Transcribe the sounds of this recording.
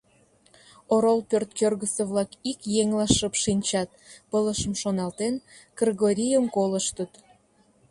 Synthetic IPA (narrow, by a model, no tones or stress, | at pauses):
oɾolpørt̪kørɣəseβlɑkikjeŋlɑʃəpʃinʲt͡ɕɑt̪̚pələʃəmʃonɑlt̪en | kriɣoɾʲijəmkoləʃt̪ət̪